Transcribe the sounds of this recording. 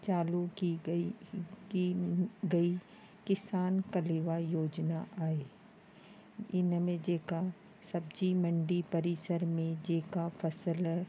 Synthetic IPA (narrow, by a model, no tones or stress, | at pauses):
t͡ʃaːlu | iɡɐi | kɪsaːnkəlɪʋajoːd͡ʒnaʔaːeː | ɪnmẽd͡ʒeːka | sɐbd͡ʒimɐ̃ɳɖipɐɾisəɾmẽd͡ʒeːkafʰɐsəl